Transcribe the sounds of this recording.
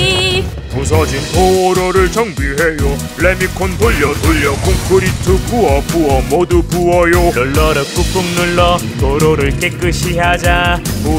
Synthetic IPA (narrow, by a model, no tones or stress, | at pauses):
posʰʌd͡ʑintʰooɾoɾɯɭt͡ɕʌŋbiɦejo | ɭemikʰonpoʎːʌtoʎːʌkoŋkʰɯɾitʰɯpuʌpuʌmodupuʌjoɯɭːʌɾʌk͈uk͈uŋnɯɭːʌtoɾoɾɯɭk͈ek͈ɯɕʰiɦad͡ʑao